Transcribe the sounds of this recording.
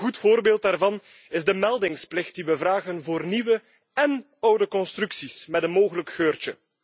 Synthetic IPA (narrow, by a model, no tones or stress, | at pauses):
ɣutfoːrbeːlˠtdaːrvɑn | ɪzdəmɛlˠdɪŋsplɪxt̚diʋəvraːɣənvoːrniʋə | ɛn | ʌwdəkɔnstrʉksismɛtənmoːɣələkxøːrt͡ʃə